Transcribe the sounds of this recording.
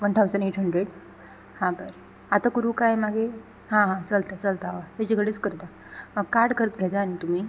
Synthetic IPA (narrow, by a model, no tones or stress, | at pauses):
ʋəɳʈʰawsəneʈʰɦəɳɖɾeɽ | hãbəɾ | at̪akuɾuːkajmaɡe | ɦãɦãt͡səlt̪at͡səlt̪aʋat̪ad͡ʑiɡəɽet͡skəɾt̪a | kaɾɽkəɾət̪ɡʱɛt̪aːñit̪um̤iː